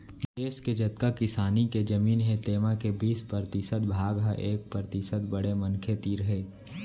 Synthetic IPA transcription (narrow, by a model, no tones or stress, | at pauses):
d̪eːsked͡ʒɐt̪kakɪsaːniked͡ʒɐmiːnɦẽt̪eːmakebiːspɾəɾt̪ɪsət̪̚bʱaːɡɦaʔeːk̚pɾəɾət̪ɪsət̪bɐɽemɐnkʰet̪iːɾɦeː